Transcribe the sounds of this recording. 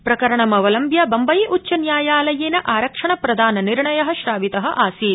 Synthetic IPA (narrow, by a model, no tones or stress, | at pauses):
pɾɐkɐɾɐɳɐmɐʋɐlɐmbjɐbɐmbɐjiʔutːt͡ʃːɐnjaːjaːlɐjeːnɐʔaːɾɐkʂɐɳɐpɾɐd̪ʱaːnɐniɾɳɐjɐɦɐ̆ʃɾaːʋit̪ɐɦɐ̆ʔaːsiː